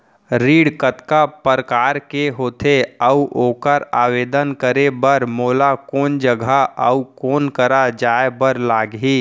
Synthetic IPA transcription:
ɾiːɽkət̪kapəɾəkaːɾkeɦoːt̪eəuʔoːkəɾaːweːd̪ənkəɾebəɾmoːlakoːnd͡ʒəɡʱəə̰ukoːnkəɾad͡ʒaːebəɾlaːɡɦiː

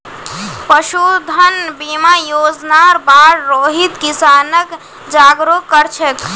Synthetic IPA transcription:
pəʃud̪ʱənbimajod͡ʒnaɾbaɾɾoɦit̪kisanək | d͡ʒaɡɾokːəɾt͡ʃʰek

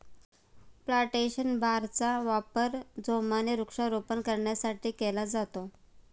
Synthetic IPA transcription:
plaʈeɕənbʱaɾt͡saʋapəɾd͡zomaneɾukʂaɾopənkəɾɳjasaʈiːkelad͡zat̪o

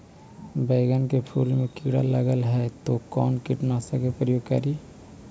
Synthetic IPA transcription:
bɛːɡənkepʰuːlmẽkiɽa̰ləɡəlɦɛt̪okɔːnkɪʈnasəkepɾəjoːɡkə̰ɾiː

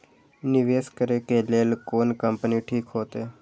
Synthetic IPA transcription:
nɪʋeːskəɾekeːleːlkoːnkəmpəniʈʰiːkɦoːt̪eː

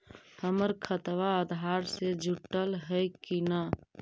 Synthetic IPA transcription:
həməɾkʰət̪ʋaəd̪ʱaɾsed͡ʒʱuʈːəlɦəjkina

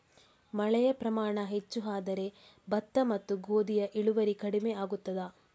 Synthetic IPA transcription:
mɐɭɛjɐpɾɐmaːɳɐɦet͡ʃːuɦaːd̪ɐɾe̞ | bɐt̪ːɐmɐt̪ːuɡoːd̪ijɐʔiɭuʋɐɾikɐɽimeaːɡut̪ːɐd̪aː

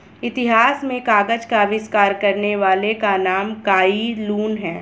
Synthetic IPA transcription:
ɪt̪ɪɦaːsmẽkaːɡəd͡ʒkaʋɪskaːɾkɐɾneʋaːlekanaːmkaːiluːnɦɛː

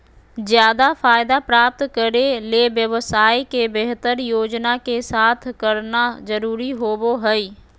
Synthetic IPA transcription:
zjaːd̪afʰaːɪd̪apɾaːp̚t̪kəɾelebjəʋsaːikebeɦt̪əɾjoːd͡ʒnakesaːt̪ʰkəɾnazəɾuːɾiɦoːboɦəiː

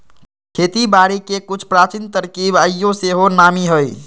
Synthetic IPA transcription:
kʰet̪ibaɾikekut͡ʃʰpɾat͡ʃint̪əɾkibəjːoseɦonamiɦoj

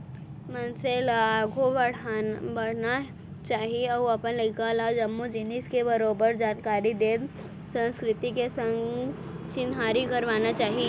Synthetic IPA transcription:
mɐnselaɡʱobɐɽ̤abɐɽ̤na | t͡ʃaːɦieɔːɐpənlɐɪkalaːd͡ʒɐmːud͡ʒɪnɪskebɐɾoːbəɾd͡ʒaːnkaːɾid̪eːd̪ | sə̃nskɾɪt̪ikesə̃ŋɡ | t͡ʃɪnɦaːɾikɐɾʋaːnat͡ʃaːɦie

